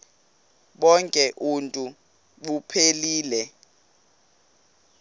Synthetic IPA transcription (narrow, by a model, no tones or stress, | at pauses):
ɓɔŋkʼɛʔuntʼu | ɓupʰeliːlɛ